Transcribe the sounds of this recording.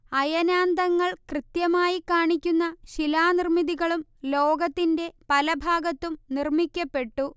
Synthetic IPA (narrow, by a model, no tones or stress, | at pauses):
ɐjɐnaːnd̪ɐŋːɐɭkrɨt̪jɐmaːjikːaːɳikʲːunːɐɕilaːnirmiðiɣɐɭumlo̞ːɡɐt̪ːinde̞pɐlɐbʱaːɡɐt̪ːumnirmikʲːɐpːe̞ʈːu